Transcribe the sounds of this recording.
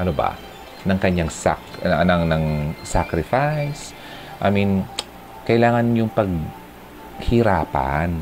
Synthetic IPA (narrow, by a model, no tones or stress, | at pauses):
ʔɐnoba̰ | nɐŋkɐɲːaŋsa̰knɐŋnɐŋsakɾɪfajs | ʔaːmin | kɐʔɪlaːŋɐnjʊŋpɐɡ̚ | hɪɾaːpa̰n